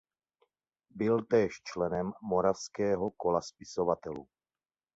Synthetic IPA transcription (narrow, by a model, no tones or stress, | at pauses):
bɪlt̪ɛːʃt͡ʃlɛnɛmːo̞ɾafskɛːɦo̞ko̞laspɪsovat̪ɛlṵ